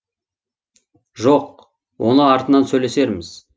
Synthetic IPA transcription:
ʒoq̚ | wʔo̞nəɑɾt̪ənɑnsɵjle̞se̞ɾmɪz̥

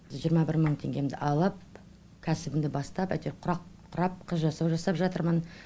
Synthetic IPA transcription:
ʒijəɾmɑbɪɾməɴt̪ʰe̞ŋɡʲe̞md̪ɪ̰ʔɑlˠəp̚ | kʲʰæsɪbɪmd̪ɪbɑst̪ɑpæ̰t̪eɾqʰʊɾɑqqʰʊɾɑp̚qʰəzʒɑsɑwʒɑsɑpʒɑt̪əɾmən

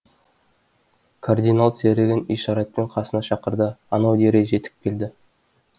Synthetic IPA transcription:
kʰard̪ijnalˠt̪seɾɪɡʲɪnḭʃɑɾɑt̪̚peɴqʰɑsənɑʃɑqəɾd̪əːnɑwd̪e̞ɾe̞ʒe̞t̪ʰɪ̥k̚ʲkʲʰːe̞ld̪ɪ

